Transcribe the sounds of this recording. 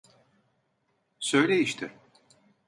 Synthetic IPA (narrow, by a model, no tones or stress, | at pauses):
sø̞jlʲɛiʃt̪ʰiɾ̥